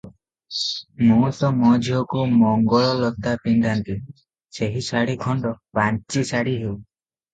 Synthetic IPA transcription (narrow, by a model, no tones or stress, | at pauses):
mũt̪ɔmɔd͡ʒʱiɔkumɔŋɡɔɭɔlɔt̪apiɳɖant̪i | seɦisaɽikʰɔɳɖɔ | bant͡ʃisaɽiɦew